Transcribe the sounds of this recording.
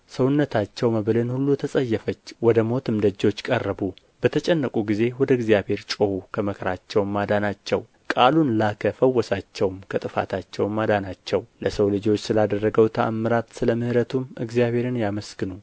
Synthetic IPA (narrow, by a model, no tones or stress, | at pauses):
səwʊnːət̪ʰat͡ʃːɛwməβlɨnhulːut̪ʰəsʼəjːɛfət͡ʃːwɔd̪əmo̞t̪ɨmd̪əd͡ʒːo̞t͡ʃːkʼərːəbu | bət̪ʰət͡ʃʼɛnːəkʼuɡize̞wɔd̪əɪɡzijabhe̞ɾt͡ʃʼohukʰəməkʰɾat͡ʃːɛwmad̪anat͡ʃːɛw | kʼalunlakʰəfəwːɔsat͡ʃːɛwmkʰət̪ʼɨfa̰t̪ʰat͡ʃːɛwmad̪anat͡ʃːɛwləsəwlɨd͡ʒo̞t͡ʃːsɨlad̪ərːəɡəwt̪ʰəamːɨɾat̪sɨləmɨhɾət̪ʰumʔɨɡzijaβe̞ɾɨnjaməsɡɨnu